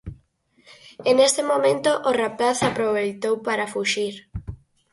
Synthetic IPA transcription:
enest̪emomẽnt̪oʔorapaθapɾoβejt̪owpaɾafuʃiɾ

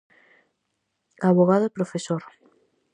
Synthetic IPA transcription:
aβoɣaðopɾofesoɾ

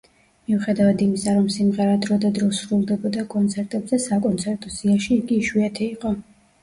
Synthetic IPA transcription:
miuχɛd̪avad̪imisaɾɔmsimʁɛɾad̪ɾɔd̪ad̪ɾɔsɾulˠd̪ɛbɔd̪akʼɔnt̪sʰɛɾt̪ʼɛbzɛsakʼɔnt̪sʰɛɾt̪ʼɔsiaʃiːɡiːʃwiat̪ʰɛiqʼɔ

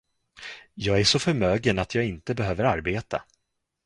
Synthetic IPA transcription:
jɑːɡæʂɔfœɾmøːɡənat̪ʰjɑːɡɪnt̪əbɛɦøːvəɾaɾbeːt̪ʰa̰

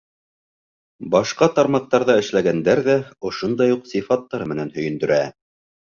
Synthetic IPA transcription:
bɑʃqɑt̪ɑɾmɑq̚t̪ɑɾðɑɘ̆ʃlæɡænd̪æɾðæŏʃond̪ɑjuqsifɑt̪ːɑɾɤmɘ̆nænhɵ̆jɘ̆nd̪ɵ̆ɾæ

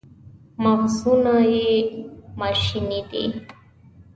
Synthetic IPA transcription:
mafzunaje | maʃinid̪ḭ

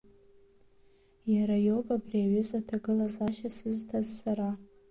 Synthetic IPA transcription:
jaɾajopʼabriaɥʏzatʰaɡɨlazaʃasɨztʰazːaɾa

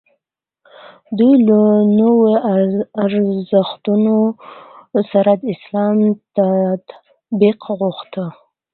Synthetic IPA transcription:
d̪ujlənowoaɾzəxt̪uno | saɾad̪əɪslɑmt̪at̪ | biqɣuxt̪ə

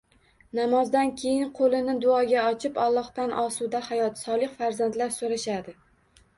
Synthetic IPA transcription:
namɒzd̪ankʲʰe̞jɪnqʰolˠɪnɪd̪ʊɒɡʲaɒt͡ʃʰɪpɒlˠːɒht̪anʔɒsud̪ahajɒt̪sɒlˠɪχfaɾzant̪laɾsoɾaʃad̪ɪ

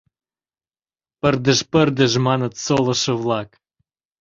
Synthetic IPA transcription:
pərd̪ə̆ʃpərd̪ə̆ʒmɑnət̪solˠɤ̆ʃə̆vlˠɑk

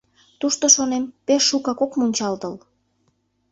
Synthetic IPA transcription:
t̪uʃt̪oʃonempeʃːukɑkokmunʲt͡ɕɑlt̪əl

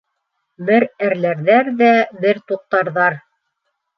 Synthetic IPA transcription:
bɘɾæɾlæɾðæɾðæbɘɾt̪uq̚t̪ɑɾðɑɾ

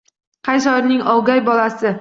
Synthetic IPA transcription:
qʰɑjsɒjɾnɪŋɒwˠɡʲajbɒlasɪ

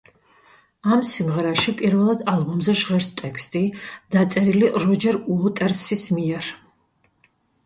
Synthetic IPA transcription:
amsimʁɛɾaʃipʼiɾvɛlˠad̪alˠbɔmzɛʒʁɛɾst̪ʼɛkst̪ʼid̪̥at̪sʼɛɾiliʔɾɔd͡ʒɛɾuɔt̪ʼɛɾsismiɛɾ

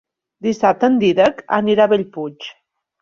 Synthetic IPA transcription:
d̪isap̚t̪ənd̪iðəka̰niɾaβeʎput͡ʃ

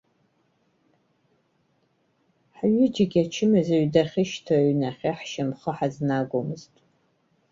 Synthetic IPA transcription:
ħaɥɪd͡ʒɪɡʲat͡ʃʰɪmɨzaɥdaχʲɪʃtʰoɥnaχʲeħʃamχəħaznaɡʷomɨztʼ

